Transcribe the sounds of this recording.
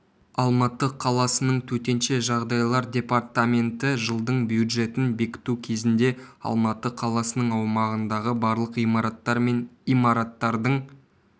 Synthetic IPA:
ɑlˠmɑt̪əqʰɑlˠɑsənəɴt̪ʰɵt̪e̞nʃe̞ʒɑʁd̪ɑjlˠɑɾdʲe̞part̪amʲe̞nt̪ɪʒəlˠd̪əɴbjud̪ʒe̞t̪ɪnbe̞kʲɪ̥t̪ukʲʰe̞zɪnd̪e̞ɑ̰lˠmɑt̪əqʰɑlˠɑsənəɴɑwmɑʁənd̪ɑʁəbɑɾlˠəqijɑɾɑt̪ːɑɾmenijmɑɾɑt̪ːɑɾd̪əɴ

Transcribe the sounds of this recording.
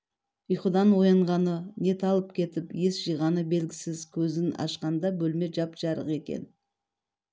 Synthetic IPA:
ijχud̪ɑnwo̞jɑɴʁɑnəne̞t̪ʰɑlˠəp̚kʲʰe̞t̪ɪpje̞sʒ̥ijʁɑnəbe̞lɡʲɪsɪzkʲʰɵzɪnɑ̰ʃqɑnd̪ɑbɵlme̞ʒɑpʒ̥ɑɾə̰qe̞kʲe̞̰n

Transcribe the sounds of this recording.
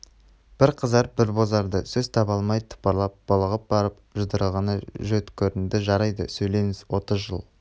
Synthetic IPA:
b̥ɪɾqʰəzɑɾbɪɾbo̞zɑɾd̪əsɵzt̪ʰɑbɑlˠmɑjt̪ʰʊ̥pɑɾlˠɑp̚b̥olˠəʁəp̚bɑɾəp̚ʒəd̪əɾəlˠʁɑnəʒɵt̪kʲʰɵɾɪnd̪ɪʒɑɾɑjd̪ə̰sɵjle̞ŋɪz̥wo̞t̪əzʒəlˠ

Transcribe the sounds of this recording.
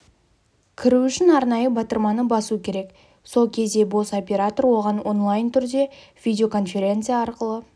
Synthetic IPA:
kʲʰɪɾuʏʃɪnɑɾnɑjəbɑt̪əɾmɑnəbɑsukʲʰe̞ɾe̞k | so̞lˠkʲʰe̞zd̪e̞bo̞sopʲe̞ɾat̪o̞ɾwo̞ʁɑnwo̞nlˠajnt̪ʰʏɾd̪e̞ | vʲidʲeo̞kʰo̞nfʲe̞ɾʲe̞nt̪sɨjaɑɾqəlˠə

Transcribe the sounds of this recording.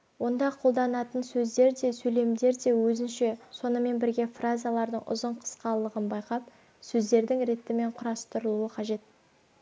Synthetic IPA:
wo̞nd̪ɑqʰo̞lˠd̪ɑnɑt̪ənsɵzd̪e̞ɾd̪e̞sɵle̞md̪e̞ɾd̪e̞wɵzɪnʃe̞so̞nəme̞nbɪɾɡʲe̞frazijalˠɑɾd̪əɴʊ̰zəɴqʰə̥sqɑlˠəʁənbɑjqɑp̚ | sɵzd̪e̞ɾd̪ɪŋɾe̞t̪ːɪme̞ɴqʰʊɾɑst̪əɾəlˠuəqʰɑʒe̞t̪̚

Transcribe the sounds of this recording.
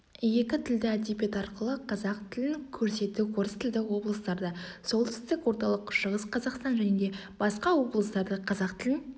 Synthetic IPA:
je̞kʲɪt̪ʰɪld̪ɪæd̪epe̞t̪ɑɾqəlˠəqʰɑzɑq̚t̪ʰɪlɪŋkʲʰɵɾse̞t̪ːɪkʲʰɵɾɪst̪ʰɪld̪ɪwo̞blˠəst̪ɑɾd̪ɑso̞lˠt̪ʰʏ̥st̪ɪkwo̞ɾt̪ɑlˠəqʃəʁəsqʰɑzɑqst̪ɑnʒæne̞d̪e̞ | b̥ɑsqɑwo̞blˠəst̪ɑɾd̪əqʰɑzɑqt̪ʰɪlʲɪŋ

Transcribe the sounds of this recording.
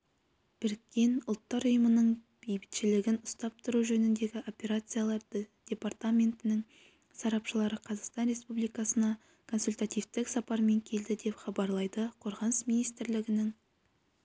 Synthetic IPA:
b̥ɪɾkʲːe̞nʊlˠt̪ːɑɾʊjəmənəɴ | b̥ejbɪ̥t̪ʃɪlɪɡʲɪnʊst̪ɑp̚t̪ʰʊɾuʒɵnɪnd̪e̞ɡʲɪʔo̞pʲe̞ɾat̪sɨjalˠɑɾd̪əd̥̪ʲe̞part̪amʲe̞nt̪ɪnɪŋ | sɑɾɑpʃəlˠɑɾəqʰɑzɑqst̪ɑnɾe̞spublijkɑsənɑ | kʰo̞nsulʲt̪at̪ijft̪ɪksɑpɑɾme̞ŋkʲʰe̞ld̪ɪd̪e̞pχɑbɑɾlˠɑjd̪əqʰo̞ɾʁɑnəsminijst̪ɪɾlɪɡʲɪnɪŋ

